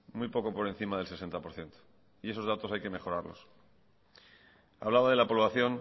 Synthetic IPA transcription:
mujpo̞ko̞po̞ɾe̞n̟θimaðe̞lse̞se̞nt̪apo̞ɾθje̞nt̪o̥ | ie̞so̞zðat̪o̞sajke̞me̞xo̞ɾaɾlo̞̰s | a̰βlaβaðe̞lapolwaθjo̞n

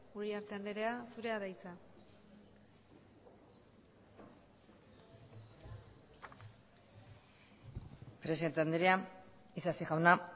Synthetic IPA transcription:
uɾiaɾt̪e̞and̪eɾeasuɾe̞aðajt͡sa | pɾe̞siðent̪eand̪eɾea | isasiɣawna

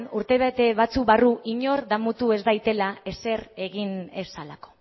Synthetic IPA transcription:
nuɾt̪e̞βet̪e̞βat͡sukβaruʔiɲo̞rd̪amut̪ue̞zd̪ajt̪e̞lae̞se̞ɾe̞ɣinesalako̞̥

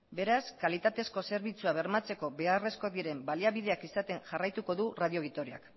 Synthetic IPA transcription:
be̞ɾaskalit̪at̪e̞sko̞se̞ɾβit͡suaβ̞e̞ɾmat͡se̞ko̞βe̞are̞sko̞ðiɾe̞mbaliaβið̞e̞akisat̪e̞ŋʝarajt̪uko̞ðuraðio̞ɣit̪oɾia̰k

